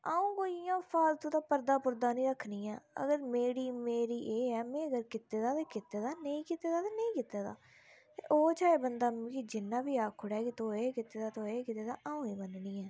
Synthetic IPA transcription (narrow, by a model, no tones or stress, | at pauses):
aːũːkoːiãːfʰaːlt̪õːt̪aːpəɾd̪aːpʊɾd̪aːnĩːɾəkʰːniːa̰ːə̰ɡəɾmeːɽiːmeːɾiːʔeːɛːmɛ̃ːəɡəɾkɪt̪ːeːd̪aːt̪eːkɪt̪eːd̪aːnəĩːkɪt̪eːd̪aːt̪eːnəĩːkɪt̪eːd̪a̰ː | t̪eːʔoːt͡ʃaːeːbənd̪aːm̃ːkid͡ʒɪnːãːbiːaːkʰʊɽɛːkɪt̪oːeːkɪt̪eːd̪aːt̪oːeːkɪt̪eːd̪aːʔaːũːiːmənniːɛː